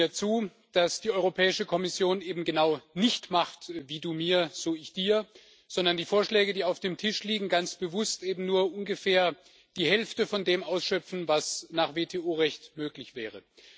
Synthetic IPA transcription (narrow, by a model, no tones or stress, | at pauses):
iːɐt͡suː | d̥asd̥iːʔɔʏʁopʰɛːɪʃəkʰɔmɪsjoːnʔeːbm̩ɡənaʊnɪçtmaχtviːduːmiːɐz̥oːɪçd̥iːɐ | z̥ɔndɐndiːfoːɐʃlɛːɡədiːaʊfd̥eːmtʰɪʃliːɡŋ̩ɡant͡sb̥əvʊstʔeːbm̩nuːɐʔʊnɡəfɛːɐ | d̥iːhɛlftəfɔndeːmaʊsʃœpp͡fn̩vasnaːχv̥eːtʰeːoːʁɛçtmøːklɪçv̥ɛːʁ̞ə